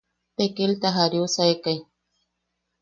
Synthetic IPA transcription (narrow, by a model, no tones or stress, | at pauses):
pekelt̪aɦaɾjwsajkaj